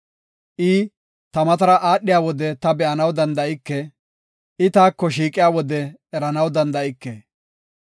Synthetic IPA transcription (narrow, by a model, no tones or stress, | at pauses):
ʔɪ | t̪ɐmɐt̪ɐɾɐʔaːɗɪjaːwɔd̪ɛt̪ɐbɛʔɐnɐwd̪ɐnd̪ɐʔɪkːɛ | ʔɪt̪aːkːɔʃ̬iːkʼːɪjaːwɔd̪ɛː | ɾɐnɐwd̪ɐnd̪ɐʔɪkːe